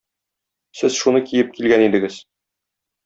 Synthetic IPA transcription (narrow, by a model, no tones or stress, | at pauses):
sɘz̥ʃunɤkijɘp̚kilɡænid̪ɘ̆ɡɘz̥